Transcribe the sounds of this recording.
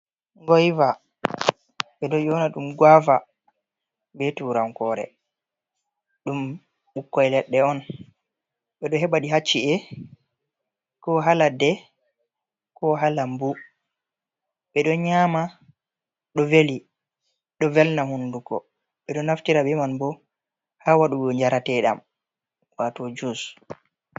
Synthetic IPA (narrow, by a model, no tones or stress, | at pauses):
ŋɡɔjva | ɓɛɗɔjɔnaɗumɡwava | bɛtuɾaŋkɔɾɛ̰ | ɗum | ɓukːɔjlɛɗːɛɔn | ɓɛɗɔɦɛɓaɗiɦat͡ʃːiɛ | kɔɦaladɛ | kɔɦalambu | ɓɛɗɔɲaːma | ɗɔveli | ɗɔvɛlnahundukɔ̰ | ɓɛɗɔnaftiɾabɛmanbɔ | haːwaɗuɓɔɲd͡ʒaɾatɛɗa̰m | watɔd͡ʒus